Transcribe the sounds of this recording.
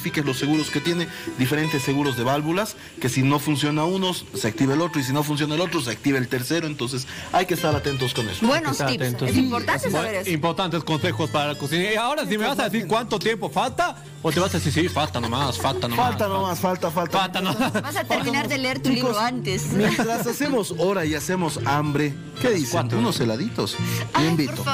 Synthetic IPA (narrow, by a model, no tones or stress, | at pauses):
fikezlo̞sːe̞ɣuɾoske̞t̪je̞ned̪ife̞ɾe̞nt̪e̞sːe̞ɣuɾo̞zðe̞βalβulas | ke̞sino̞funsjo̞naunosseak̚t̪iβelot̪ɾois̬ino̞funs̬jo̞naelo̞t̪ɾos̬eak̚t̪iβelt̪eɾseɾoent̪o̞ns̬es | ajkest̪aɾat̪ent̪̬oskonḛsobwenoaent̪oimpoɾt̪aseɾimpo̞ɾt̪ant̪e̞skonse̞xo̞spaɾalakosinaiao̞ɾasimeβasaðes̬iɾkwant̪ot̪je̞mpo̞falt̪a | ot̪eβasaðesiɾsifalt̪anomasfalt̪anofalt̪anomasfalt̪afalt̪afalt̪anoβasatpeɾnaɾðeleeɾt̪uliooant̪esmmjent̪ɾasasemosoɾaiase̞mosambɾe | keðisaunoselaðit̪osiembit̪o